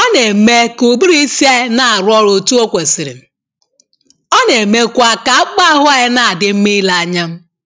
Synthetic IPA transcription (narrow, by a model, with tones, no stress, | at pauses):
ɔ˦ne˨me˦ku˨bi˦ɾi˦si˦e˦na˨a˨ɾɔ˦ɾo˨tu˦o˦kʷe˨si˨ɾɪ̰˨m̩˨ | ɔ˦ne˨me˨kʷa˨ka˨a˦k͡pa˦ɦʊ˦a˦ɪ˦na˨a˨dɪ˨m̩˦me˦la˨a˨ɲa˦m̩˦